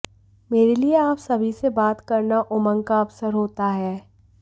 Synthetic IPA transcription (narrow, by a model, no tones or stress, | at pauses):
meːɾelieaːpsɐbʱisebaːt̪kɐɾnaʔʊmə̃ŋkaɐbsəɾɦoːt̪aɦɛː